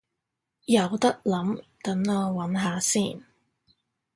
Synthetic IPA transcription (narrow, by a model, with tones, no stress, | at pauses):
jɐ˨wt̪ɐ˥k̚lɐ˨˥mt̪ɐ˨˥nlɔː˧wɐ˨˥nɦaː˨˧siː˥˩n